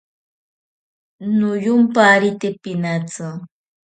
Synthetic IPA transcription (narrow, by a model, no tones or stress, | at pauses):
nʊjʊmpaɾɪt̪ɪpɪnat͡sa